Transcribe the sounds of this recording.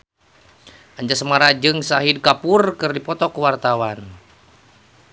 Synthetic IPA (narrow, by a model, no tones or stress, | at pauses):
ʔaɲd͡ʒasəmaɾad͡ʒɨŋsaɦid̚kapurkɨrdipɔt̪ɔkuwart̪awan